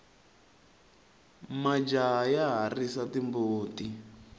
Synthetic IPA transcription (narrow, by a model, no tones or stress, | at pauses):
mad͡ʒaɦjaɦarisatimboːti